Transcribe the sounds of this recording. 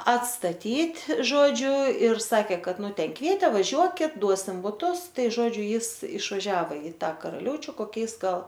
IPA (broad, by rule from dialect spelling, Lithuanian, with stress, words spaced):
ɐtstɐˈtʲiːtʲ ˈʒoːd͡ʒʲʊ ɪr sɐˈkʲeː ˈkɐt ˈnʊ ˈtʲɛn ˈkʋʲiɛtʲeː ʋɐˈʒʲuɔkʲɪt ˈduɔsʲɪm bʊˈtʊs ˈtɐɪ ˈʒoːd͡ʒʲʊ ˈjɪs ɪʃʋɐˈʒʲæːʋoː ɪ ˈtɑː kɐrɐˈlʲɛʊt͡ʃʲʊ koːˈkʲɛɪs ˈɡɐlˠ